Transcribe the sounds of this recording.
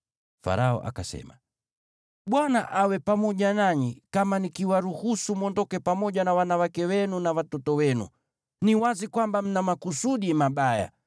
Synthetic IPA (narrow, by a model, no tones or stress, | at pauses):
fa̰ɾaɔ̰ʔa̰kasɛ̰ma | ɓwanaʔawɛpamɔʄanaɲikamanikiwaɾuhusumwɔndɔkɛpamɔʄanawanawakɛwɛnunawatɔtɔwɛnṵ | niwazikwambam̩namakusuɗimaɓaja̰